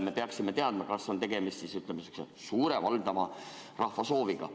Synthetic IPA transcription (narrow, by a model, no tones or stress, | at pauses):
me̞pe̞ɑksimet̪e̞ɑd̪̥mɑkɑsːo̞nt̪e̞ɡe̞mist̪sisyt̪lemɑsy̥ksḛ | suːɾevɑld̪̥ɑmɑ | rɑhvɑso̞ːviɡ̥ɑ̰